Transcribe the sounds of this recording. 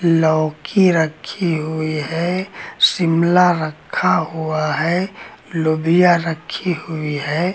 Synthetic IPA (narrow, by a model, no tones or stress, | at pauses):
lɔːkiɾɐkʰiɦʊiɦɛsɪmlaɾəkʰaɦʊaɦɛlobijaɾɐkʰːihʊiɦɛː